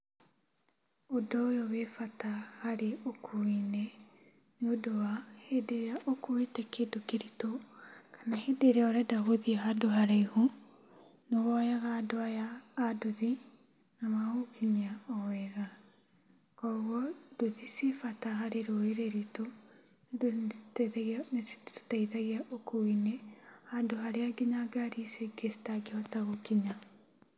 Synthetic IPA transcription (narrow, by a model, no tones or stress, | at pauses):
odɔjɔwefatahaɾeokʰuinɛ | neodowahedeɾaʔokowetɛkʰedokeɾitokʰḁnahedeɾeaɔɾɛdaɣoðiaɦadoɦaɾeiho | nowɔjaɣaːdoajaːduði | namahokʰiɲiaɔwɛɣa | kɔɣɔd̥uðisefatahaɾeɾoeɾeɾito | ned | nestaiðaɣiaʔokoinɛhadoɦaɾeaɡiɲaɡaɾiseɡesi̥taɡeɔtaɣokiɲa